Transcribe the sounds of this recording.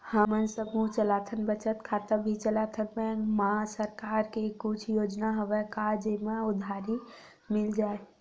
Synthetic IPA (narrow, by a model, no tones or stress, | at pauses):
həmənsəbut͡ʃəlat̪ʰənbət͡ʃət̪kʰat̪əɾbʱit͡ʃəlat̪ʰəpɛmasəɾkaɾkekut͡ʃʰjoːd͡ʒnaɦoʋɛkad͡ʒemaʊd̪ʱaɾi | mɪld͡ʒae